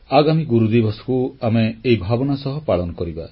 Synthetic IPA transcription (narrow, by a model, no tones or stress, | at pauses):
aɡamiɡuɾud̪ibɔsɔ̥kuameːjbʱabɔnasɔɦɔpaɭɔnɔkɔɾiba